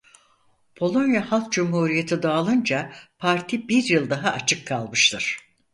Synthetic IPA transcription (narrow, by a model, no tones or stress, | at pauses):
bʰo̞lˠo̞njahalˠk̚d͡ʒumhuːɾijet̪ʰid̪aːlˠɯnd͡ʒapʰaɾt̪ʰibiɾjɯlˠd̪aɦaʔːt͡ʃʰɯkʰːalˠmɯʃt̪ʰɯɾ̥